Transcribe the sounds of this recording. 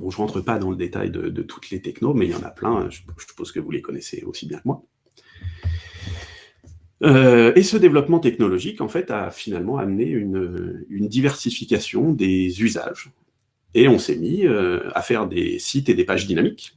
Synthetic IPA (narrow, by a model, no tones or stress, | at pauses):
bɔ̃ʒəʁɑ̃t̪χəpad̪ɑ̃ləd̪et̪a̰jd̪ə̰d̪ə̰t̪ʰu̥t̪ʰlet̪ɛknomɛiljɑ̰̃nʔa̰plɛ̰̃ʒəə̥poz̥kəvulekɔnɛsḛo̰sibjɛ̃kəmwa | øesəd̪evlɔpmɑ̃t̪ɛknɔlɔʒikɑ̰̃fɛt̪a̰finalmɑ̃a̰mneynøynd̪ivɛʁsifikʲasjɔ̃d̪ezyza̰ʒ | eɔ̃semiøa̰fɛʁd̪ḛsit̪ed̪epaʒd̪inamik